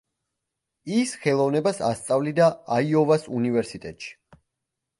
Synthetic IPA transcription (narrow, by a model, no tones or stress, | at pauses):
isχɛlˠɔvnɛbasa̰st̪sʼavlid̪aaiɔvasunivɛɾsit̪ʼɛt̪ʼʃi̥